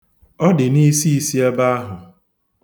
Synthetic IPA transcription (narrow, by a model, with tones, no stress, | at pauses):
ɔ˦dɪ˨ni˦si˦i˨˦si˦e˦ba˦a˦ɦʊ˨